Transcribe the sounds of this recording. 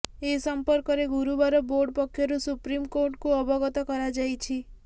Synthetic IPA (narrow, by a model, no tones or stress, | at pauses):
esəmpəɾkɔɾeɡuɾubaɾɔboɾɖpɔkʰːjɔɾũsupɾimkoɾʈkũəbʱɔɡɔt̪ɔkəɾad͡ʒajt͡ʃʰi